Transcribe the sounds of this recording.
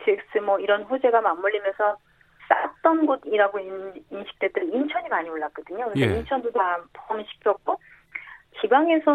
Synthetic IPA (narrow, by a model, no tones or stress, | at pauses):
tʰeks͈ɯmwʌiɾʌnɸod͡ʑe̞ɡamamːuʎːimjʌnsʰʌ | s͈at͈ʌnɡodiɾaɡoininɕʰi̥k̚t͈edɯɾɯint͡ɕʰʌɲimaɲioɭːak̚k͈ʌdɯɲokɯɾseint͡ɕʰʌndotapomɕʰi̥kʰjʌk̚k͈o | kibaŋe̞sʰʌ